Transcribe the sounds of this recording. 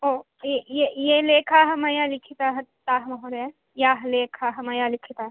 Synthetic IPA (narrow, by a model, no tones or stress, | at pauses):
oː | ejejeleːkʰaːɦɐmɐjaːlɪkʰit̪aɦɐt̪aːɦmɐɦoɾe | jaːɦleːkʰaɦɐmɐjalɪkʰit̪a